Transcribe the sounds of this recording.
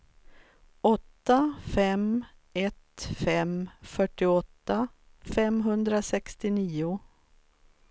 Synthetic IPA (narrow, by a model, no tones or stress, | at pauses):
ɔt̪ːafɛmɛt̪fɛmfœʈːɪɔt̪ːa | fɛmɦɵnd̪ɾasɛkst̪ɪniːʊ